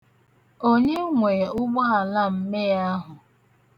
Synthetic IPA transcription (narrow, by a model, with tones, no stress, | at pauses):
o˦ɲe˦ŋʷe˨ʊ˦ɡ͡bɔ˦a˨la˦˨m̩˦me˦ja˦ɦʊ˨